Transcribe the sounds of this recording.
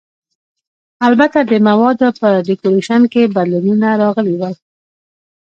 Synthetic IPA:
albat̪ad̪əmawɑd̪pəɖɪkoɾeʃankebad̪lanunaɾɑɣəlewa

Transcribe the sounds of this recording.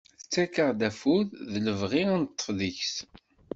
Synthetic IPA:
θət͡sːækəʁd̪æfuððləvʁiænt̪ˤːə̥fðiçs

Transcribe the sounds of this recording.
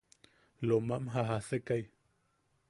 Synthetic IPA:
lomamɦaɦasekaj

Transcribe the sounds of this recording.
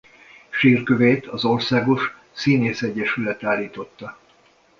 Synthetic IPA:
ʃiːrkøveːt̪ɒzorsaːɡo̞ʃ | siːneːsɛɟːɛʃylɛt̪aːlːiːt̪o̞t̪ːɒ

